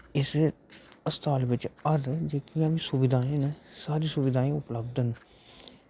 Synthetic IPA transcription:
ɪs | əst̪aːlʋɪt͡ʃəɾd͡ʒeːkijãːʋĩːsʊʋɪd̪ʱaːẽːnesaːɾiːsʊʋɪd̪aːẽːʊpləbd̪ən

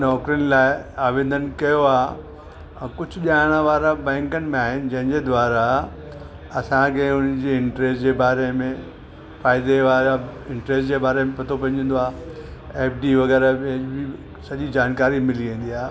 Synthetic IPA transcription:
nɔːkɾiənɪlaːɪaːʋẽːn̆d̪ʱənɪ̆kɐjoãː | kʊd͡ʑʱʊʄaːɪɽ̃əʋaːɾabɛ̃ːŋkənɪ̆mẽaːɦɪnɪ̆d͡ʑɐ̃ɦɪ̃ɲd͡ʑed̪ʋaːɾa | ɐsãkʰeːʊnd͡ʑeɪ̃ɳʈɾeːsd͡ʑeːbaːɾemẽ | faːɪd̪eʋaːɾaɪ̃ɳʈɾeːsd͡ʑeːbaːɾemẽpʰɐt̪ʰopɐ̃ɪ̃ɲd͡ʑə̃nd̪oaː | eːpɖiʋɐɣɛːɾabɪ | sɐʄid͡ʑaːnkaːɾimɪliʋẽːn̆d̪iaː

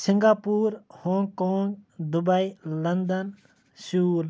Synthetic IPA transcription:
sɪŋɡaːpuːɾhõːŋɡkoːŋɡd̪ʊbailɐnd̪ən | suːl

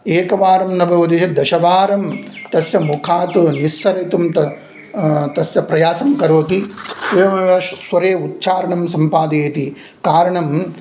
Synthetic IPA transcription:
eːkɐʋaːɾɐmnɐbʱɐʋɐd̪iʃɐd̪ɐʃɐʋaːɾɐmt̪ɐsjɐmukʰaːt̪unisːɐɾɐt̪umt̪ɐ | t̪ɐsjɐpɾɐjaːsɐmkɐɾoːt̪isemɐʋɐʃsʋɐɾeːut̪̚t͡ʃaːɾɐɳɐmsɐmpaːd̪eːt̪i | kaːɾɐɳɐm

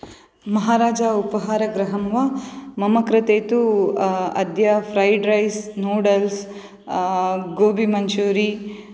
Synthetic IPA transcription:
mɐɦaːɾaːd͡ʒɐupɐɦaːɾɐɡɾɐɦɐmʋamɐmɐkɾɐt̪eːt̪u | ɐ̰d̪jɐpʰɾɐjɖɾɐjsnoːɖɐls | ɡoːbʱimɐɲt͡ʃuːɾi

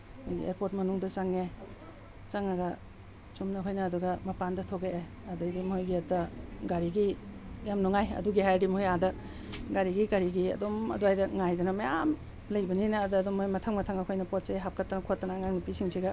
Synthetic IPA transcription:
hojɡḭḛɾpoɾtmɐnuŋdɐt͡ʃaŋe | t͡ʃaŋaɡɐ | t͡ʃumnɐkʰojnɐːduɡɐmɐpandɐtʰoɡeʔe | ɐdɯjdimhojɡiɐtːɐɡaɾiɡijamnoŋajɐ̰duɡiɦajdimhojadɐ | ɡaɾiɡiɡaɾiɡiɐ̰domɐ̰duajdɐŋajdɐnɐmajam | lɐjbɐninɐːdɐːdomojmɐtʰaŋmɐtʰaŋɐkʰojnɐpot̚seɦap̚kʰatːanɐkʰotːanaŋaŋnipisiŋsʰiɡɐ

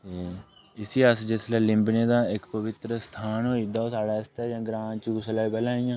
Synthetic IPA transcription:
t̪eː | ɪsiːəsd͡ʒeslɛːlɪ̃mbneːd̪aːɪkpəʋɪt̪ɾəst̪ʰaːnɦoːid̪aːosaːɽaːɪst̪ɛːd͡ʒãːɡɾãːt͡ʃuːslaːbɛlãːĩjãː

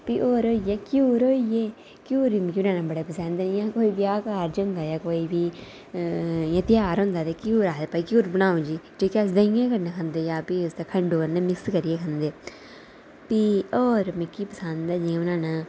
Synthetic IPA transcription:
piːʔoːɾoːijeːkjuːɾoːijeː | kjuːɾiːmkiʊnãːnãːbəɽeːpəsɛːnd̪ɛːjãːkoːiːbiaːkaːɾd͡ʒʊ̃nd̪aːjaːkoːiːbiː | jãːt̪ɪjaːɾɦʊ̃nd̪aːt̪eːkjuːɾaːd̪eːpaːiːkjuːɾbəɽaːõd͡ʒiːd͡ʒoːkɛːsd̪əɪjãːkəɾnãːkʰənd̪eːjaːpiːʊst̪eːkʰəɳɖoːkənnẽːmɪkskəɾijeːkʰənd̪eː | piːɔːɾmɪkːiːpəsand̪aːd͡ʒĩːʊnãːnãː

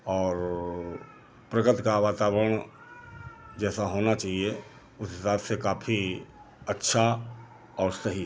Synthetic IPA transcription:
ɔːɾ | pɾəɡət̪kaʋaːt̪aːwəɾəɽ̃ | d͡ʒɛːsaɦoːnat͡ʃaːɦie | ʊssaːt̪ʰsekaːpʰi | ətːʃʰa | ɔːɾsəɦi

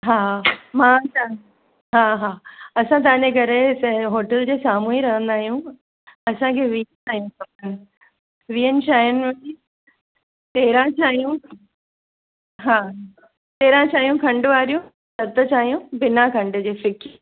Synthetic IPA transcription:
ɦaːmãt͡ɕa | ɦaːɦaːɐsãt̪̬ɐʋãːɲd͡ʑekɐɾeɦoːʈəld͡ʑeːsaːmuːiɾɐɦə̃nd̪aːɦijũ | ɐsãkʰeːʋi | aːɦijũsɐənɪ̆ | ʋiːənɪ̆t͡ɕʰaːɦijənʊi | t̪eːɾãt͡ɕʰaːɦijũ | ɦaː | t̪eːɾãt͡ɕaːɦijũkʰɐ̃ɳɖʊʋaːɾijũ | sɐt̪ət͡ɕʰaːɦijũbɪnakʰɐ̃ɳɖʊ̆d͡ʑeːfɪk

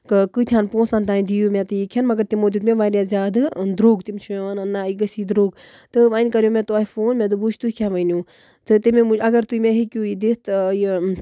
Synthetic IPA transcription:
kɨkɨt̪ʰjaːnpõːsãːnt̪aːind̪ijumʲẽt̪ɨikʰjanmɐɡɐɾt̪imoːd̪ʲut̪mẽʋaːɾjaːzʲjaːd̪d̪ɾoːɡt̪imʲt͡ʃʰuẽʋanɐnːaiɡəsiːd̪ɾoːɡ | t̪ɨʋanʲkɐɾjoːmẽt̪uaːfoːnmẽd̪̬ɨbut͡ʃʰt̪uikʰjanʋɐnjũː | t̪ɨt̪imẽmuɐɡɐɾt̪uimẽɦikʲjuːid̪est̪j

